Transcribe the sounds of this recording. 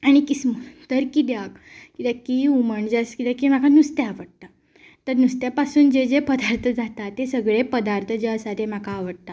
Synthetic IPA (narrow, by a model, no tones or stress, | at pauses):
aɽ̃ikismut̪əɾkib̪jak | kit̪akiuməɳd͡zeskit̪akim̤akʰanust̪aaʋəɽ̚t̪a | t̪əɾnust̪japasuːnd͡ʑed͡zepəd̪aɾt̪ʰəd͡zat̪at̪ːesəɡɭepəd̪aɾt̪ʰəd͡ʑeəsat̪em̤akʰaːʋəɽ̚t̪a